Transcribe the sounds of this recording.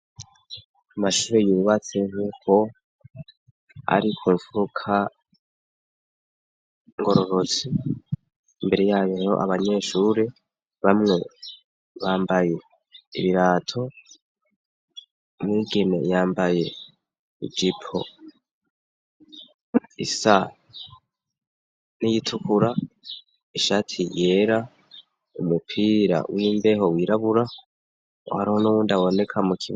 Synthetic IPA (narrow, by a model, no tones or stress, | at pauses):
amaʃuːɾejuːuβat͡se̞ŋ̥uːkʰo̞ | a̰ɾikʰuːɱfuukʰa | ŋɡo̞ɾo̞ɾo̞t͡siː | mbe̞ɾejaːjoɾo̞̰ʔa̰βaɲe̞ːʃuɾe | βamŋe̞ | βaːmbaje̞ | ḭβiɾaːtʰo̞ | mwiːɡene̞̰jaːmbaje̞ | ḭd͡ʒipʰo̞̰ | ḭsa | nijitʰukuɾa | iʃatʰije̞ːɾa | umupʰiɾa̰wiːmbe̞ɦo̞wiːɾaβuɾa | o̰haɾahonuwuːndawo̞ne̞kʰamukʰiβ